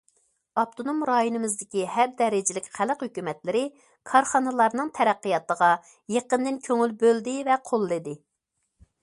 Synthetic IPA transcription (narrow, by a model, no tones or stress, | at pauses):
ɑp̚t̪ʰonomɾɑjonɨmɨzd̪ɪkʲihɛɾd̪ɛɾɪd͡ʒɪlɪkʲχæləqhøkʲymɛt̪lɪɾɪ | kʰɑɾχɑnɨlˠɑɾnɨŋt̪ʰɛɾæqːəjɑt̪əʁɑ | jeqənd̪ɪnkʲʰøŋylbøld̪ɪvɛqʰolˠːɨd̪ɪ